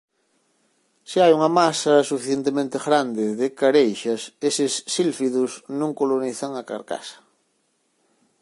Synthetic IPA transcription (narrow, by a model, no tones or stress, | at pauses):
sɪajuŋɐmasɐsufiθjent̪emẽnt̪eɣɾand̪ɪðɪkaɾejʃɐsesɪsːilfiðʊsnũŋkoloniθaŋaka̰ɾka̰sḁ